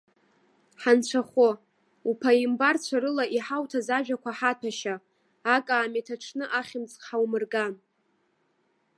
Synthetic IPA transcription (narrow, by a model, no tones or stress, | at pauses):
ħant͡ɕʷʰaχʷo | upʰaimbart͡ɕʷʰaɾɨlaʔiħawtʰazaʒᶣakʷʰaħatʰaʃaː | kʼaːmatʰaʈ͡ʂʰnɨʔaχʲɪmt͡sʼħawmɨrɡan